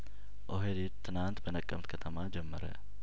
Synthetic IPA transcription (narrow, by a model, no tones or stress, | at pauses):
ʔoɦelet̪ʰːɨnant̪bənəkʼːəmt̪kʰət̪ʰəmad͡ʒɛmːəɾə̰